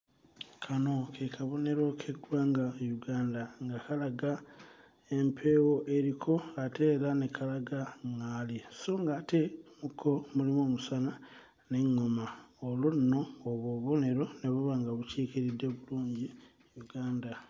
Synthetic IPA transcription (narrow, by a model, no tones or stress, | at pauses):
kʰano̞kʰekʰaβo̞ne̞ɾo̞kʰeɡwaːŋɡajuɡaːndaŋɡakalaɡa | e̞mpʰe̞wo̞ʔe̞ɾikʰo̞atʰe̞ːɾanekʰalaɡaŋaliso̞ŋɡaːte̞mukʰomulimoːmusana | ne̞ŋːo̞maolonno̞ːβoβo̞ne̞ɾo̞ne̞βuβaːŋɡaβuciːkiɾidːe̞βuluːɲɟi | juɡaːnda